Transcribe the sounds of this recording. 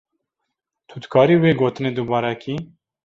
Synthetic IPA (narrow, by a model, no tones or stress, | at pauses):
t̪ʰud̪kʰɑːɾiːweːɡoːt̪ɨneːd̪ubɑːɾɛkʰiː